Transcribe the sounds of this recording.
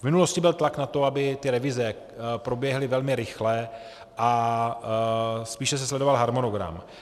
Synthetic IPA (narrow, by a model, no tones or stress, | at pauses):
vmɪnulo̞scɪbɪlt̪laknat̪oabɪt̪ɪɾɛvɪzɛ | pɾo̞bjɛɦlɪvɛlmɪɾɪxlɛ | ʔa | spiːʃɛs̬ɛslɛdo̞valɦaɾmonoɡɾa̰m